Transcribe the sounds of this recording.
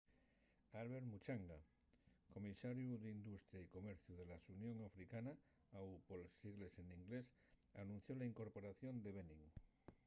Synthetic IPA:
alβeɾmut͡ʃaŋɡa | ko̞misaɾjuðeind̪ust̪ɾjaiko̞meɾθjuð̞e̞lasunjõŋafɾikana | awpolsiɣleseniŋɡles | anũn̟θjolaiŋko̞ɾpo̞ɾaθjo̞nd̪e̞β̞enĩŋ

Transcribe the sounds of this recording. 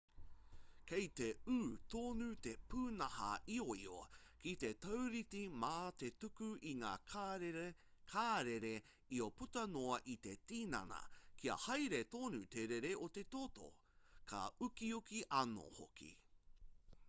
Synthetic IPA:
kejt̪eʉːt̪oːnʉt̪epʉːnɐhɐ̰ioio̰kit̪e̞t̪owɾitimaːt̪et̪ukʉʔiŋa̰ː | kʰaːɾeɾe | ioput̪ɐnoɐʔit̪e̞t̪iːnɐ̰nɐ̰kʰiɐ̰hɐjɾet̪oːnut̪eɾeɾeot̪e̞t̪oto̰ | kʰɐ̰ʉkiukiʔɐno̰ho̰kʰḭ

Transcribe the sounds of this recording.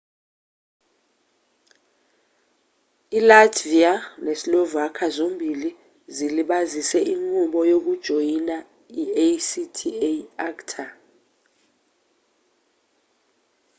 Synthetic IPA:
ilatʰvianesilovuakʰazombʱili | ziliɓazisɛʔiŋuɓɔjok̬ud̥ʒ̥ʱojina | iesitʰieaktʰa

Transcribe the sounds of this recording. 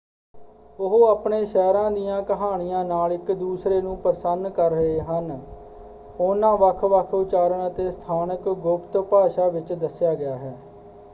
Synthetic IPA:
ʊɦoːəpɳeːʃɛːɾãːd̪ijãːkəɦaːɽ̃ɪjãːnaːlɪkd̪uːsɾeːnũːpəɾsənkəɾːəɦeːɦən | ʊnãːʋəkʰʋəkʰʊt͡ʃaːɾəɳət̪eːst̪ʰaːnəkɡʊpt̪paːʃaːʋɪt͡ʃd̪əsjaːɡɪjaːɦɛː

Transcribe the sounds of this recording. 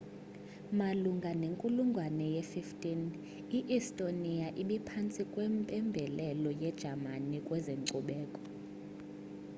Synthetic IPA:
maluŋɡʱaneŋkʼuluŋɡʱwanɛjɛfiftʼin | iʔistʼoniaʔiɓɛpʰant͡sʼikʼwɛmpʼɛmbʱɛlɛlɔjɛd̥ʒ̥ʱamanikʼwɛzeŋǀuɓɛːkʼɔ̥

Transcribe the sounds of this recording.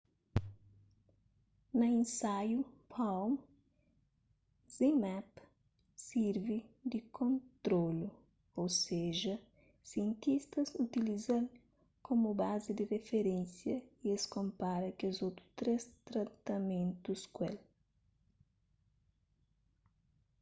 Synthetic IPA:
nɐẽnsajupʰawm | z̥imɛp | siɾvid̪ɪkʰõnt̪ɾolu | owseʒɐ | siẽnt̪ist̪ɐsut̪ilizɐl | kʰomubazɪd̪ɪrefeɾẽnsjɐieskõmpaɾɐkezowt̪ɾut̪ɾest̪ɾɐt̪ɐmẽnt̪uskwel

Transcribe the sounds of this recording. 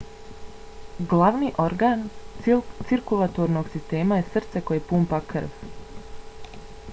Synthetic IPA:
ɡlaʋniʔo̞ɾɡan | t̪siɾkulˠat̪oɾnoɡsist̪e̞ːmaje̞sr̩t̪se̞ko̞jepuːmpakr̩ʋ

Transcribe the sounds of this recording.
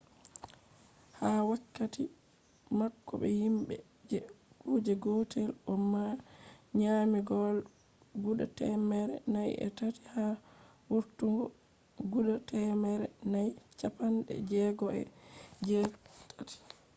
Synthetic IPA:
hawakːati | makːɔ̰ɓɛ̰himɓɛ̰ | d͡ʒɛkuːd͡ʒɛɡɔtʰɛlʔɔmːaɲamiɡɔl | ɡuɗatɛmɛɾɛ̰najɛ̰tati̥ha | wuɾtuŋɡɔ | ɡuɗatɛmɛɾɛnajt͡ʃapanɗɛ̰d͡ʒɛɡɔɛ̰d͡ʒɛtʰːati̥

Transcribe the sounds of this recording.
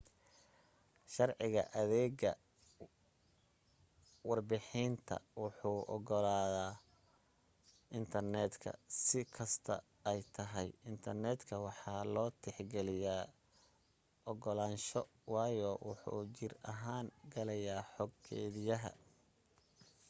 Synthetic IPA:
ʃɑrʕɪɣɐ̰ʔɐðɛːɡɐ̰ | wɑrbɪħiːnt̪ʰɐ̰wʊħuːʔɔɡɔlaːðaː | ɪnt̪ʰɐrnɛːd̪kʰɐ̰sɪkʰɐst̪ʰɐ̰ | ɛjt̪ʰɐɦɛjɪnt̪ʰɐrnɛːd̪kʰɐwɑħɑːlɔːt̪ʰɛħɡɛlɪjaː | ʔɔɡɔlaːnʃɔ | wɑːjɔwʊħṵːt͡ʃɪrɐɦaːŋɡɐlɐjaːħɔɡkʰɛ̰ːðɪjɐɦɐ̰

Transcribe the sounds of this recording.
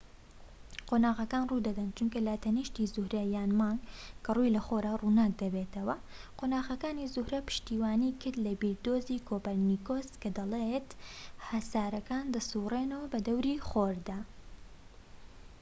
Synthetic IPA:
qʰoːnaːɣɐkaːnrud̪ɐd̪ɐnt͡ʃunkɐlɐt̪ɐniːʃt̪izʊhɾɐjaːnmɑːŋɡkʰɐrujlɐχoɾaːruːnaːk̚d̪ɐbet̪ɐwɐqʰonaːɣɐkaːnizuhɾɐpɨ̥ʃt̪iːwaːnikɨɾd̪lɐbiɾd̪oːziːkʰoːpɐlnikoːskɐd̪ɐlˠet̪hɐsaːɾɐkaːnd̪ɐsuːreːnɐwɐbɐd̪ɐwɾiχoːɾd̪aː

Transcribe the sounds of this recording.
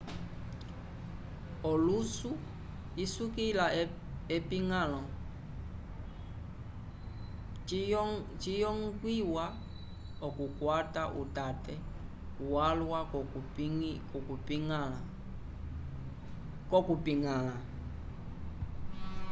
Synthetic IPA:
ɔlusu | isukila | ɛpiŋalɔ | t͡ʃijɔŋɡwiwa | ɔkukwataʔutatɛ | uwalwa | kɔkupi | kɔkupiŋala

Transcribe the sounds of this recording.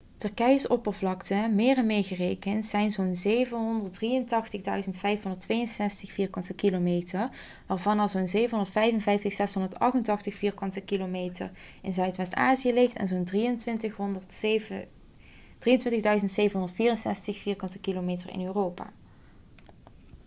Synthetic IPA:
tɵɹkɛjəsɔpəɹvlɑktəmɪːrɛnmɪːɹɣərejkəntsɛjnzonzejvəɦɔndəɹt̚drijəntɑxtəɣdœɥzəntfɛjfɦɔndəɹtʋejənsɛstəxfiːɹkɑntəkilomejtəɹ | ʋaːɹvɑnɑzoːnzejvənɦɔndəɹtfɛjvənvɛjftəxsɛsɦɔndəɹtɑ̰xtəntɑxtəxfiːɹkɑntəkilomeːjtə̰r | ɪnzœɥtʋɛstaːzijəlɪxtɛ̰nzoːndriəntʋɪntəx | d̥riəntʋɪntəɣdœɥzəntsejvənɦɔndəɹtfiːrənsɛstəxfiːɹkɑntəkilomeːtərɪ̰nøːrowpa̰ː

